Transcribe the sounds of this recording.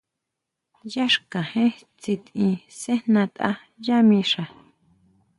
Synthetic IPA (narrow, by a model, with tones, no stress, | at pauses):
ja˦ʂkã˨hẽ˦ | t͡si˧t̪ĩ˧sẽ˦nã˧t̪ʼa̰˧ | ja˦mĩ˧ʂa˨